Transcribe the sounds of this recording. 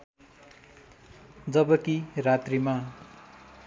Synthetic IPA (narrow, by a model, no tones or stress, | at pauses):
d͡zʌbʌkirat̪rima